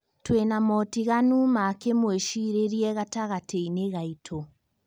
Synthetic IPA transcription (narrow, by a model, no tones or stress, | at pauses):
twenamɔtiɣanumakemweʃiɾeɾiɛɣataɣatʰeineɣaitʰo